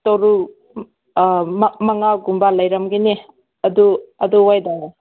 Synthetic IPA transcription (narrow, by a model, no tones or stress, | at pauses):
toɾu | mɐŋaɡumbalɐjɾɐmɡini | ɐduɐduwajdaa